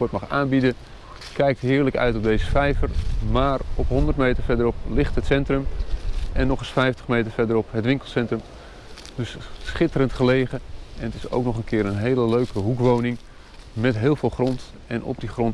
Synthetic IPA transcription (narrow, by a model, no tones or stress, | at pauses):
ɔɹtmɑχaːnbidə | kɛjk̚tɦɪːɹləkœ̰ɥtɔb̚dejzəfɛjvəɹmaːrɔpɦɔndəɹtmejtəɹfɛdəɾɔplɪχtɦətsɛntrəm | ɛnːɔχəsfɛjftə̥χmejtəɹvɛɹdəɾɔpɦətʋɪŋkəlˠsɛntrəm | d̥ɵssχɪtərəntχəlejχəɛnətɪso̰wknɔχənkɪːɾənɦejləløɥkəɦukʋownɪŋ | mɛtɦɪːlˠvɪːlˠχrɔnt | ɛnɔ̰b̚diχrɔnt